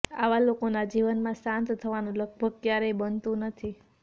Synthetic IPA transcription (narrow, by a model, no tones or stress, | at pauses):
aʋalokonad͡ʒiʋənmãsãnt̪t̪ʰəʋanũləɡ̚bʱəɡ̚kjaɾebənt̪ũnət̪ʰi